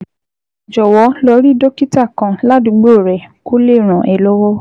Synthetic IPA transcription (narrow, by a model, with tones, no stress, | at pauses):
d͡ʒɔ˨wɔ˨˦lɔ˧˦ɾi˦do˦ki˦ta˦˨kã˨la˦dũ˨˧˦ɡ͡bo˦˨ɾɛ˨ko˦le˦˨ɾ̃ã˨ʔɛ˨lo˦wɔ˦